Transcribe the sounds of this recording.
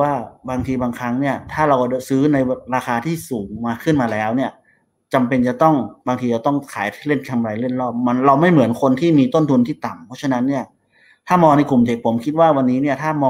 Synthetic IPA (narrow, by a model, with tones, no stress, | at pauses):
waː˥˩baː˧ŋt̪ʰiː˧baː˧ŋkʰa˦˥ŋni˥˩ɐt̪ʰaː˥˩ɾa˧wka˧˩t͡ɕsɯː˦˥na˧jɾaː˧xaː˧t̪ʰiː˥˩suː˩˦ŋmaː˧kʰɯ˥˩nmaː˧lɛː˦˥wni˥˩ɐ | t͡ɕa˧mpe˧nt͡ɕa˨˩t̪ɔ˥˩ŋbaː˧t̪ʰiː˧t͡ɕa˧˩t̪ɔ˥˩ŋkʰaː˩˦jt̪ʰːle˥˩nkʰa˧mɾa˧jle˥˩t̪̚lɔː˥˩p̚ma˧nɾa˧wma˥˩jmɯ˩˦ənkʰo˧nt̪ʰiː˥˩miː˧t̪o˥˩nt̪ʰu˧nt̪ʰiː˥˩t̪a˨˩mpʰɔ˦˥t͡ɕʰa˧na˦˥nːi˥˩ɐ | t̪ʰaː˥˩mɔː˧ŋna˧jku˨˩mt̪ʰe˨˦˩k̚pʰo˩˦mkʰi˦˥t̪̚waː˥˩wa˧nːiː˦˥ni˥˩ɐt̪ʰaː˥˩mɔː˧